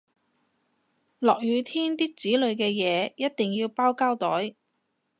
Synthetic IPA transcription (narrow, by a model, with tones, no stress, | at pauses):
lɔː˨k̚jyː˨˧t̪ʰiː˥nt̪iː˥k̚t͡siː˨˥lɵ˨˧ɥkɛː˧jɛː˨˧jɐ˥t̚t̪ɪ˨ŋjiː˧wpaː˥wkaː˥wt̪ɔː˨˥j